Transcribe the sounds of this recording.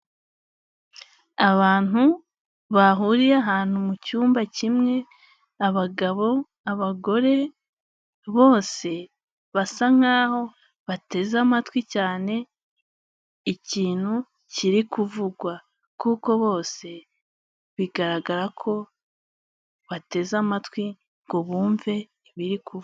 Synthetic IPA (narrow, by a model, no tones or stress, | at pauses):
aβaːn̥u | βaɦuɾiɾaɦaːn̥humucuːmbacimŋe̞ | aβaɡaβo̞ | aβaɡo̞ɾe̞ | βo̞ːse̞ | βasaŋ̥aːho̞ | βate̞zamatwicaːne̞ | iciːn̥hu | ciɾikuvuɡwa | kuko̞βo̞ːse̞ | βiɡaɾaɡaɾakʰo̞ | βate̞zamatwi | ŋɡo̞βuːɱve̞ | iβiɾikʰuv